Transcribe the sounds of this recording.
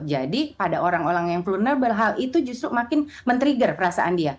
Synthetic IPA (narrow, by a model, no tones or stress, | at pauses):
d͡ʒadipadaʔoɾaŋoɾaŋjaŋflurnərbəlɦalit̪ud͡ʒust̪ɾumakɪn | mənt̪əɾiɡərpəɾasa̰ʔandia